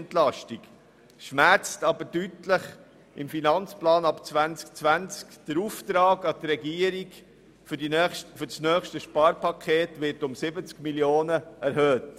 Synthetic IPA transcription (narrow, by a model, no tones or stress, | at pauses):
ntlɑʃtik | ʃmæɾt͡stɑbəɾdytləχ | ɪmfinɑnt͡splɑːnɑpt͡sʋænt͡sk̚t͡sʋænt͡skd̥əɾuːft̪ɾɑːɡɑt̪ɾɛɡiəɾiɡ | fʏɾsnœːχʃtəʃpɑːɾpɑkʰeːtʋɪɾtʊmsɪbət͡skmiljoːnəɛɾhøːt